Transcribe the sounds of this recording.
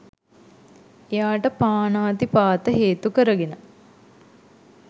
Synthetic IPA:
ejaːʈəpaːnaːt̪ipaːt̪əɦeːt̪ukəɾəɡenə

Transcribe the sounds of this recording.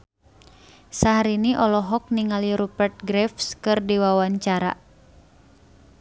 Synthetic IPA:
saɦaɾiniʔɔlɔɦɔk̚niŋaliɾupərt̪̚ɡɾɛfskɨrdiwawaɲt͡ʃaɾa̰

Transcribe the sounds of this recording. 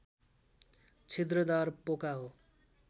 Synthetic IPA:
t͡sʰit̪rʌd̪arpokaɦo

